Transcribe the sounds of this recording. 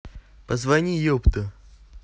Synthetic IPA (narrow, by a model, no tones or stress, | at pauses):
pəzvɐnʲijopt̪ə